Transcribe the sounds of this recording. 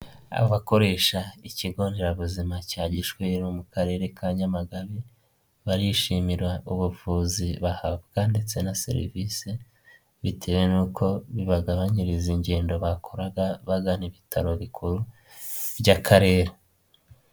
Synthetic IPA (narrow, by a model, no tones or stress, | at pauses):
a̰βoβako̞ɾe̞ːʃaiciɡo̞ːndeɾaβuzimacaːɟiʃweɾomukaɾe̞ɾe̞kʰaɲamaɡaβi | βaɾiʃimiɾwaʔuβuvuːziβahabɡ̥ande̞t͡se̞nasḛɾḭviːse | βitʰe̞wenuːkʰo̞βiβaɡaβaɲiɾiziɲɟe̞ːndo̞βakʰoɾaɡaβaɡaniβitʰaɾo̞βikʰuɾu | bɟakʰaɾe̞ːɾe